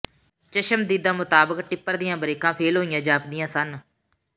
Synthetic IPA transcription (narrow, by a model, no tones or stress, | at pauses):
t͡ʃəʃəmd̪iːd̪aːmʊt̪aːbəkʈɪpːəɾd̪ɪjãːbəɾeːkãːpʰeːlɦoːijãːd͡ʒaːpd̪ɪjãːsən